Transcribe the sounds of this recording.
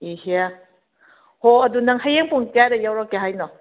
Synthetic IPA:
ihia | hoɐdunaŋhajeŋpʰuŋtaɾajawɾakːeɦajnɔ

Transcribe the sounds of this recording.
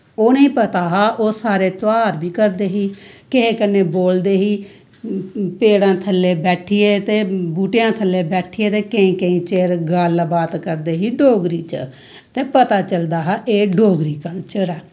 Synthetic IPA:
oːnĩːpət̪aːɦaːʔoːsaːɾeːt̪aːɾbʱiːkəɾd̪eːɦiːkɪɦẽːkənːeːboːld̪eːɦiː | peːɽãːt̪ʰəlːeːbɛːʈʰiːeːt̪eːbuːʈejãːt̪ʰəlːeːbɛːʈʰɪeːt̪eːkəĩːkə̃ĩːt͡ʃeːɾɡaːlbaːt̪kəɾd̪eːɦiːɖoːɡɾiːt͡ʃə̰ | t̪eːpət̪aːt͡ʃəld̪aːɦaːʔeːɖoːɡɾiːkə̃t͡ʃəɾɛː

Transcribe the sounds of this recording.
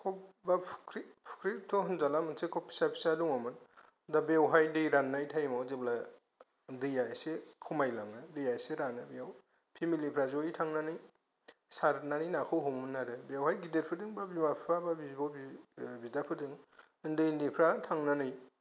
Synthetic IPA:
kʰɔbapʰkɾipʰu̥kɾitʰɔɦɯnzalamɯnsekʰɔpʰi̥sapʰi̥saduŋamɯn | dabewɦajdɯjɾanːajtʰajmawzebla | dɯjasekʰumajlaŋɯdɯjajseɾanabijaw | pʰimilipʰɾazojtʰaŋnanɯj | saɾnanɯjnakʰɯwɦɔmɯnːaɾɯbewɦajɡidet̚pʰɯdɯŋbabimapʰɾababibɔbbidapʰɯdɯŋ | ndɯjnipʰɾatʰaŋnanɯj

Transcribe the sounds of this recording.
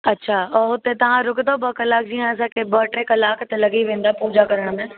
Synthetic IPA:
ɐtːɕʰaːɔːɦʊt̪et̪ɐʋ̤ãɾʊkd̪obɐkɐlaːkd͡ʑĩɦãɐs̬ãkʰebəʈɾẽkɐlaːkt̪elɐɡiʋẽːnd̪aːpuːd͡ʒakɐɾəɽ̃mẽ

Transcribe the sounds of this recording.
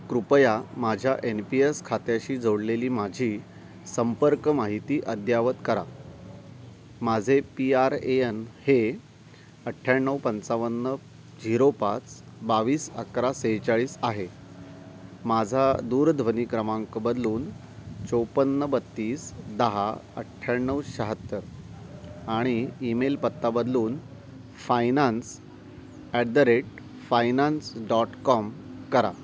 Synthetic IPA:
kɾupəjamad͡ʑʱjaʔenpieskʰat̪jaɕiːd͡zoɽleliːmad͡ʑʱiː | səmpəɾkəmaɦit̪iːʔəd̪jaʋət̪kəɾa̰ | mad͡zʱepiaɾeenhe | əʈʰːjaɳːəwpənt͡saʋənːə | d͡ʑiɾopat͡s | baʋiːsə̰kɾasejt͡saɭiːsaɦe | mad͡zʱad̪uːɾd̪ʱʋəniːkɾəmãŋkbəd̪luːn | t͡sowpənːəbət̪ːiːsd̪əɦaə̰ʈʰːjaɳːəwɕəɦət̪ːəɾ | aɽ̃iːmelpət̪ːabəd̪luːn | fajnans | ɛʈ̚d̪əɾeʈ | fajnansɖɔʈkɔmkəɾa̰

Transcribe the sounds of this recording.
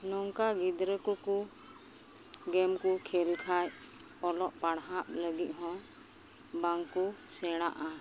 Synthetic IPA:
nɔŋkaɡid̪ɾəkuku | ɡɛmkukʰɛlkʰaj | ɔlɔʔpaɽɦaʔləɡit̪̚ɦɔ̃ | baŋkusɛɽ̃aʔa

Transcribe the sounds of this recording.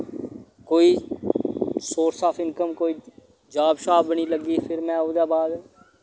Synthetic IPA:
koːiː | soːʈsaːpʰɪŋkəmkoːiː | d͡ʒaːbʃaːbəɳ̃iːləɡiːpʰɪɾmɛ̃ːɦoːd̪aːbaːd̪

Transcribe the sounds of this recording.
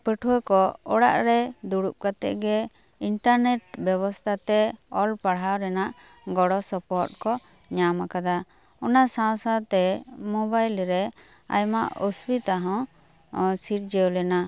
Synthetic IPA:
pəʈʰuwəkɔɔɽa̰ʔɾɛd̪uɽup̚kat̪ɛ̰ʔɡɛ | iɳʈaɾnɛʈ̚bjɛβɔst̪ʰat̪ɛɔlpaɽ̤awɾɛnaʔ | ɡɔɽɔsɔpɔɾt̚kɔ | ɲamakad̪a | ɔnasãw̃sat̪ɛmɔbajlɾɛ | a̰jma̰ʔɔsbit̪aɦɔ̃ | siɾ̚d͡ʒɛwlɛna

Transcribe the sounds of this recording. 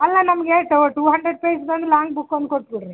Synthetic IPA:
ɐlːɐnɐmɐɡeʈoʈuːɦɐɳɖɾeɖ̚pejsb̪ɐnd̪ulaːŋɡbukːond̪̚koʈːbiɽɾi

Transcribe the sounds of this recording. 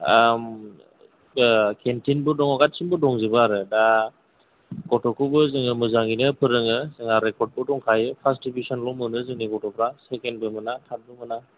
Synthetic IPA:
am | kʰentʰinbɯdɔŋɔɡat̚sinbɯdɔŋzɯbɯaɾɯda | ɡɔtɔkʰubɯzɯŋɯmɯzaŋinɯpʰɯɾɯŋɯzɯŋaɾekɔɾt̚bɯdɔŋkʰajɯpʰasdibisɔnlɔmɯnɯzɯŋniɡɔtɔpʰɾasekenbɯmɯnatʰat̚bɯmɯna

